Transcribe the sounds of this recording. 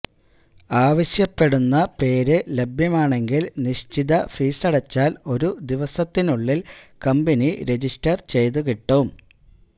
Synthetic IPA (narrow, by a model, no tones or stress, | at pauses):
aːʋɐɕjɐpːe̞ɽunːɐpe̞ːɾɨlebʱjɐmaːɳe̞ŋɡilniɕt͡ɕiðɐfiːsɐɽɐt͡ɕːaːlo̞ɾud̪iʋɐsɐt̪ːinuɭːilkɐmbeniɾe̞d͡ʑistɐrt͡ɕe̞jt̪ukiʈːɐʋum